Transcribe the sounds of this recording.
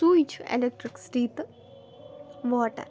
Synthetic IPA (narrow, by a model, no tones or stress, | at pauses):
suit͡ʃʰḛlek̚ʈɾiksʈiːt̪ | ʋɔːʈɐ̰ɾ